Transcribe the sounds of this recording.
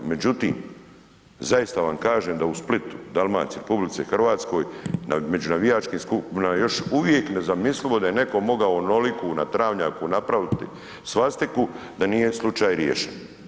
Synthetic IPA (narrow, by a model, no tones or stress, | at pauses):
me̞d͡ʑut̪ḭːm | zajist̪aʋamkaːʒeːmd̪ausplit̪u̥d̪alˠma̰ːt̪siɾepublit̪sexr̩ʋaːt̪sko̞ːjname̞d͡ʒunaʋijaːt͡ʃkiːmskupinajo̞ʃuʋje̞kne̞zamislilo̞d̪ajene̞ko̞mo̞ɡaono̞likunat̪ɾaːʋɲaːkunapɾaʋit̪ḭ | sʋast̪iku | d̪anije̞slˠut͡ʃaːjɾjḛʃen